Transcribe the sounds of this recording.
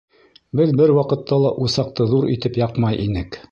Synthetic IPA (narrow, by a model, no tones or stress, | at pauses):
bɘðbɘɾwɑqɤ̆t̪ʰːɑlˠɑʔusɑq̚t̪ɤðuɾit̪ɘpjɑqmɑjʔinɘk